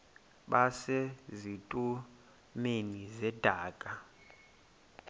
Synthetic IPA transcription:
ɓasezitʼu | menizɛd̥ʱaːkʼa

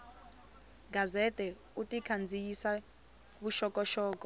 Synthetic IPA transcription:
ɡʱazɛtʼɛ | utʼikʰand͡zʱijisa | βuʃɔkʼɔʃɔːkʼɔ

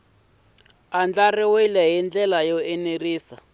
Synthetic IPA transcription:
and͡ɮariwilɛɦind͡ɮɛlajoeniriːsa

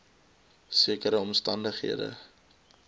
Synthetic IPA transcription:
siəkəɾəɔmstɐndəχɦḭədə̰

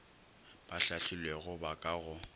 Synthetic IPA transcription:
b̥aɬaɬɪlweɣʊbakʼaɣʊ

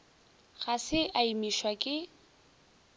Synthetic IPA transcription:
ɣasɪʔaimiʃwakʼɪ

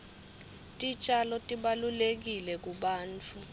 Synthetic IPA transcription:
tʼit͡ʃʼalɔtʼiɓalulek̬ilɛk̬uɓaːnt͡fʰu

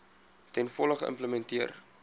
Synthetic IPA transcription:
tɛnfɔləχəʔə̰mpləmɛntiər

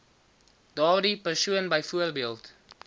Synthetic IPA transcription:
d̥ɑːrdipərsuənbəjfuərbiəlˠt

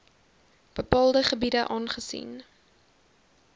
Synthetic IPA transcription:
b̥əpɑːlˠdəχəbidəʔɑːnχəsḭn

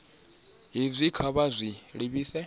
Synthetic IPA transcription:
ɦizʷikʰaβazʷiɺiβiːsɛ

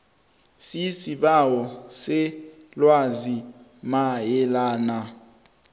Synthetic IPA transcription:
sisiɓawɔsɛlwazimajɛlaːna

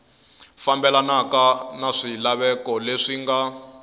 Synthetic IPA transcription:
fambɛlanakanaʂilaβɛkɔleʂiŋɡa

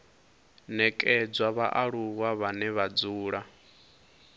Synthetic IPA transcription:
nɛkʼɛd͡zwaβaʔaɺuɣaβanɛβad͡zuːɺa

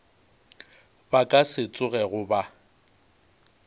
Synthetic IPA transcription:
bakʼasɪt͡sʼʊɣɛɣʊba

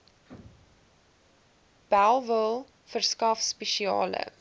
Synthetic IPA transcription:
b̥ælˠvəlˠ | fərskɐfspɛʃiɑ̰ːlə̰

